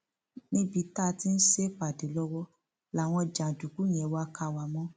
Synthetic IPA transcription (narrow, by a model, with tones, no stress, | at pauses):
nĩ˦bi˧˦ta˦˨ti˦n̩˦ʃe˦fa˨de˨˦lɔ˧wɔ˦ | la˨w̃ɔ̃˧d͡ʒã˨du˨ku˨˦j̃ɛ̃˨˦wa˧˦ka˧˨wa˨mɔ̃˦